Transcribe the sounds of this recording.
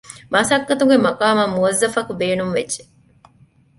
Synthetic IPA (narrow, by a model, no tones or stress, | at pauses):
mɐsɐkːɐt̪uŋɡemɐkaːmɐmuʋɐzːɐfɐkubeːnumʋedd͡ʒe̥